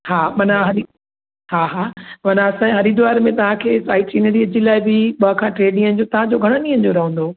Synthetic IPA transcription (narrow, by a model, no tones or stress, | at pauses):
haːmɐnaɦɐɾi | ɦaːɦaːmɐnaɐsãɦɐɾid̪ʊʋaːɾmẽt̪ɐʋ̤ãkʰeːsaːɪʈiːnəɽiɐd͡ʑilaːɪbɪɓɐakʰãːʈɾeːɖɪ̃ŋən̆d͡ʑot̪ɐʋ̤ãd͡ʑoɡʱɐɽ̃ənĩə̃nd͡ʑoɾɐɦə̃n̆d̪o